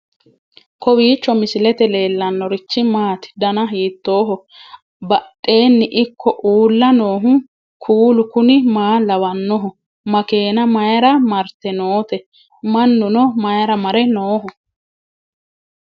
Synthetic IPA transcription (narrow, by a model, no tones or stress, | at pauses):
kɔwiːt͡ʃːɔmɪsɪlɛt̪ɛle̞ːlːɐnːɔɾɪt͡ʃːɪmaːt̪ɪ̥d̪ɐnɐɦiːt̪ːo̞ːɦɔ | bɐtʼːe̞ːnːɪʔɪkʰːɔʔuːlːɐnoːɦʊ | kʰuːlʊkʊnɪmaːlɐwɐnːɔɦʊ | mɐke̞ːnɐmɐjɐɾɐmɐɾt̪ɛnoːt̪ɛ | mɐnːʊnɔmɐjɐɾɐmɐɾɛnoːɦʊ